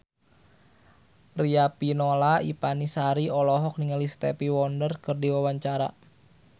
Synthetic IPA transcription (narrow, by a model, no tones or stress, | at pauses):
riapinolaipanisaɾiɔlɔɦɔk̚niŋəlist̪ɛpiwɔndərkərdiwawaɲt͡ʃaɾa̰